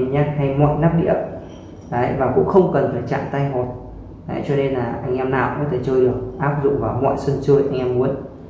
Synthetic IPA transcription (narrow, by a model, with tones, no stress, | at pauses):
ɲaː˦˥t̚ha˧jmɔ̰˧˨jna˦˥p̚ɗḭ˧˥ə | əː˨˦vaː˨˩kʊ̰˧˥ŋ͡mxə˧wŋ͡mkə˨˩nfaː˨˩t͡ɕa̰ː˧˨ŋt̪a˧jɦɔ˨˩t̚ | a̰ː˨˦jt͡ɕɔ˧ne˧nlaː˨˩ʔa˧jŋ̟ʔɛ˧mna̰ː˧˨wkɔ̰˨˦t̪ʰe˧˩t͡ɕəː˧jɗək̚ʔaː˦˥p̚zʊ̰˧˨ŋ͡mvaː˨˩wmɔ̰˧˨jsə˧nt͡ɕɨ˧jʔa˧jŋ̟ʔɛ˧mːu˨˦ən